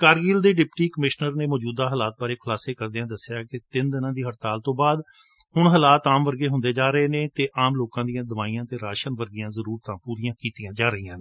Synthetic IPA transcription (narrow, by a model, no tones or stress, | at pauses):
kaːɾɡiːld̪eːɖɪpʈiːkəmɪʃnəɾneːmɔːd͡ʒuːd̪aːɦəlaːt̪̚baːɾeːkʰʊlaːseːkəɾd̪ejãːd̪əsːɪjaːkɪt̪ɪnd̪ɪnãːd̪iːɦəʈt̪aːlt̪õːbaːd̪ | hʊɳɦəlaːt̪aːmʋəɾɡeːɦʊ̃nd̪eːd͡ʒaːɾəeːneːt̪eːʔaːmloːkãːd̪ijãːd̪əʋaːiːãːt̪eːɾaːʃənʋəɾɡɪjãːzəɾuːɾt̪ãːpuːɾijãːkiːt̪ijãːd͡ʒaːɾəiːãːnː